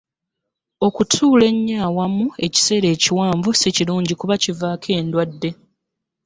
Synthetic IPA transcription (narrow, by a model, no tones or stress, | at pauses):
o̞kutʰuːle̞ɲːaːwamue̞ci̥se̞ːɾe̞ːciwaːɱvuseciluːɲɟikuβacivaːkʰe̞ːndwadːe̞